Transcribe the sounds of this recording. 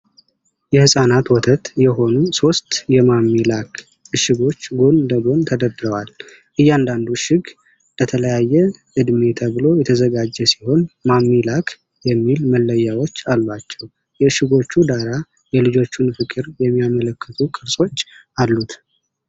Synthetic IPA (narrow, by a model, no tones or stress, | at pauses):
jɛhɨsʼanat̪wɔt̪ʰət̪jɛɦo̞nuso̞st̪jɛmamːilakʰ | ɨʃɨɡo̞t͡ʃːɡond̪əɡo̞nt̪ʰəd̪əd̪ɾəwal | ʔɨjːand̪and̪uʃɪɡ | b̪̥ət̪ʰələjajːɛʔɨd̪met̪ʰəβlo̞jɛt̪ʰəzəɡad͡ʒːɛsi̥ho̞nmamːilakʰ | jɛmːilməlːəjːawo̞t͡ʃːalːwat͡ʃːɛw | jɛɨʃɪɡo̞t͡ʃːud̪aɾa | jɛlɨd͡ʒo̞t͡ʃːunfɨkʼɨɾjɛmːijamələkːət̪ʰukʼɨɾsʼo̞t͡ʃː | alːut̪